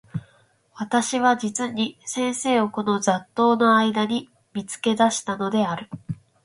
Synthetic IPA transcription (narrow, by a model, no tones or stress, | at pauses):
βat̪aɕiβ̞ad͡ʑit͡sɨɲ̟isẽ̞ɰ̃se̞ːo̞ko̞no̞d͡zat̪ːo̞ːno̞aid̪aɲ̟i | mʲit͡sɨ̥ke̞d̪aɕi̥t̪ano̞d̪e̞aɾɯ̟